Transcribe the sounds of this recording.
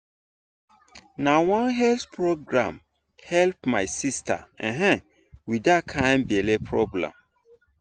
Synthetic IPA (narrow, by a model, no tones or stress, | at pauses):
nawãnɦɛlθpʰɹoɡɹã̰m | hɛlp̚maɪsistʰa̰ɛ̃ɦɛ̃ | widakʰãɪ̃nbielepʰɹɔblɛ̰̃m